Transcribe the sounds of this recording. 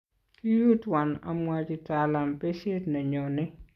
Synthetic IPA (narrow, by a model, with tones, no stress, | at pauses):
ki˦ju˦twa˨na̰˨mwa˦d͡ʒi˦ta˨la˨mpe˦ʃe˦tna˨ɲo˨nɪ˦